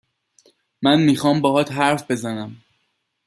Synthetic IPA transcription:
mænmiːxɒːmbɒːɦɒːt̪ɦæɾfbe̞zænæm

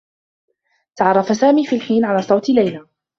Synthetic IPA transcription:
t̪aʕɑrˤːɑfasaːmiːfiːlħiːnʕalaːsˤɑwt̪lajlaː

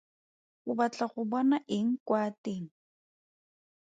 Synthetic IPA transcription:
uβat͡ɬaχʊbwanaʔɪŋ̩kwaːt̪iŋ̩

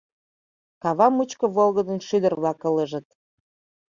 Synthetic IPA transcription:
kɑβɑmut͡ɕkə̆βolɣəd̪ənʃyd̪ərβlɑkə̆ləʒə̆t̪̚

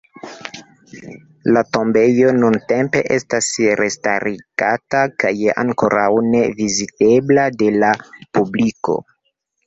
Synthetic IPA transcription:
lato̞mbe̞jo̞nunte̞mpe̞̰ʔe̞stasɾesta̰ɾiɡ̥atakaja̰ŋko̞ɾawne̞vizite̞blade̞lapubliko̞̰

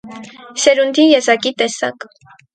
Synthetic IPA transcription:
ʃɛɾund̪ijɛzɑkit̪ɛsɑ̰k

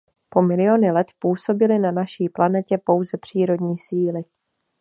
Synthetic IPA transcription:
po̞mɪlɪjo̞nɪlɛt̪puːso̞bɪlɪnanaʃiːplanɛcɛpo̞wzɛpr̥iːɾo̞dɲiːsiːlɪ

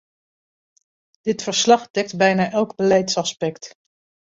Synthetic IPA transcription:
d̥ɪtfəɹslɑχdɛk̚tbɛjnaːʔɛlˠɡbəlɛjtsɑspɛkt

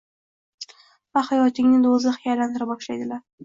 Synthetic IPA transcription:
vahajɒt̪ɪŋnɪd̪ozɪχɪjajland̪ɪɾabɒʃlajd̪ɪlaɾ

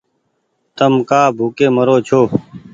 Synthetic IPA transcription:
t̪əmkaːbʱuːkeːməɾoːt͡ʃʰoː

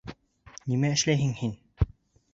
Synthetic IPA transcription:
nimæɘ̆ʃlæjɦɘŋhin

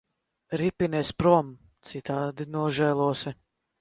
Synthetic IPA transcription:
ɾipinʲɛspɾɔm | t̪sit̪aːd̪inuɔʒɛːlˠuɔsi

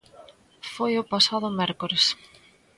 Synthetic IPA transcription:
fojʊpasað̞ʊmɛɾkoɾes

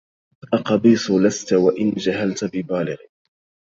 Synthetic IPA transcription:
ʔɑqɑbiːsˤʊlast̪awaʔɪnd͡ʒaɦalt̪bɪbaːlɪɣ

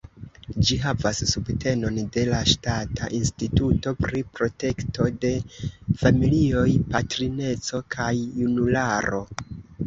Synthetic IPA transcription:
d͡ʒiɦavasːubte̞no̞nde̞laʃtatʰaʔinstituto̞pɾipɾo̞te̞kto̞de̞familio̞jpatɾine̞t͡so̞kʰajːunulaɾo̞

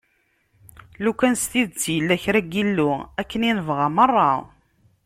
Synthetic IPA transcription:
lukænst̪iðt͡sːjəlːæçɾæɡilːʊækːəninəvʁɑmərˤːɑ

